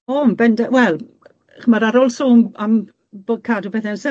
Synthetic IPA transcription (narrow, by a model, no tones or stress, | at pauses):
ɔmbɛndawɛlˠ | χəmaɾaɾolˠsoːmam | b̥okʰaːdubɛθɛnsɛ